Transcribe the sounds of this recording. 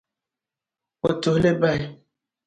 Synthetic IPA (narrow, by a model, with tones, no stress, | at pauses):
o˨to˨hle˦ba˦˨